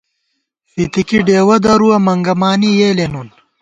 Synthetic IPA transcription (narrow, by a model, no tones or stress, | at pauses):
fit̪ikiɖeːwɐd̪ɐɾuwɐmɐŋɡɐmaːnijeːlenun